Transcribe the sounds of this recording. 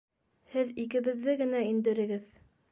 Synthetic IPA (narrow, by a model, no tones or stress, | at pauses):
hɘðikɘ̆βɘ̆ðːɘɡɘ̆næind̪ɘ̆ɾɘ̆ɡɘð